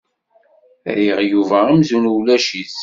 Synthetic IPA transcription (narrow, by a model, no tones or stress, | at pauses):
ɾiʁjuvæimzunuwlæʃiθ